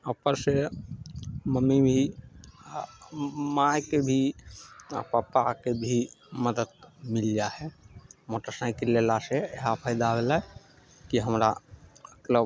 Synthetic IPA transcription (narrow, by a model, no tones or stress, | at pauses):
əpəɾse | məmːibʱi | mãjkebʱi | ə̰papakebʱiməd̪əd̪̚mild͡ʒaɦɛmoʈəsãjkelelaseeɦapʰəɪd̪abela | kiɦəmɾaəklə